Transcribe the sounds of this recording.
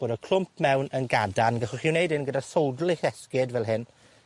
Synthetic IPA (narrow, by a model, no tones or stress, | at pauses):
b̥oːdəkʰl̥ʊmp̚ʰmɛwnənɡadanɡəχɔχɪwnejdɪnɡədasowdlˠɪχɛskɪdvɛlˠɦɪn